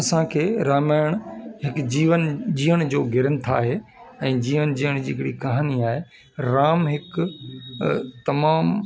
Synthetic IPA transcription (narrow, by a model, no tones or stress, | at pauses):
ɐsãkʰeːɾaːmaːɪɽ̃ɦɪkd͡ʑiːʋənd͡ʑiːəɽ̃d͡ʑoːɡʱɪɾənɪ̆t̪ʰa̰ːɦeɛ̃ːd͡ʑiːʋənd͡ʑiːəɽ̃d͡ʑiɦɪkɽikɐɦəniaːɦe | ɾaːmɦɪk | t̪ɐmaːm